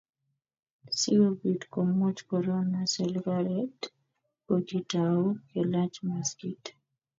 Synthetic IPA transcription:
siobitkomut͡ʃkɔɾonasɛlɡaɾɛt | od͡ʒitaokelat͡ʃmaskit

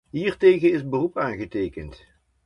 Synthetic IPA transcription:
ɦiːɹtejɣənɪsbərupaːnχətejkənt

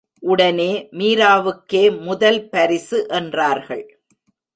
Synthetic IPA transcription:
ʔʊɽɐneːmiːɾaːʋɯkːeːmʊðɐlpɐɾɪsɯʔɛndraːɾɣɐ̰ɭ

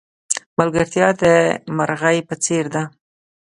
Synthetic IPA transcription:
malɡaɾt̪jɑd̪əmaɾɣajpət͡seɾd̪a

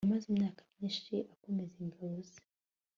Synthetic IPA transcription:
amazimunaakḁniʃiʔakumɛziŋɡauz

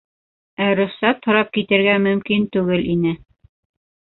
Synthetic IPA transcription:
æɾɵ̆χsæt̪hŏɾɑp̚kit̪ɘ̆ɾɡæmɵ̆mkint̪ʉɡɘlʔinɘ

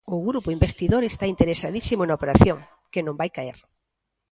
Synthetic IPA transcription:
ʊɣɾupʊimbest̪iðoɾest̪aint̪eɾesaðisimʊnaopeɾaθjoŋ | kenõmbajkaeɾ

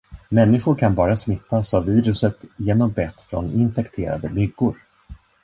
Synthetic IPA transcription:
mɛnːɪɧʊɾkʰanbɑːɾasmɪt̪ːasavːiːɾɵsət̪jeːnɔmbɛt̪ːfɾɔ̰nɪnfɛkt̪ʰeːɾa̰d̪əbʏɡːʊɾ

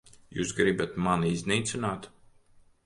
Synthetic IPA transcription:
jṵːsɡɾibat̪manizniːt̪sinaːt̪

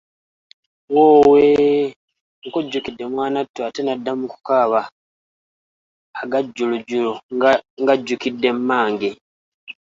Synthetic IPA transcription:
woːwe | ŋkuɟːukidːe̞mwaːnatːuatenadːamuku̥kaːβa | ɡaɟːuluɟuluŋɡaɟːukidːe̞mmːaːŋɡe

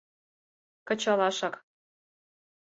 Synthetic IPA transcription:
kɤ̆t͡ɕɑlɑʃɑk

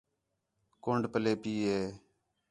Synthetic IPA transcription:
koɳɖpəleːpiːɦeː

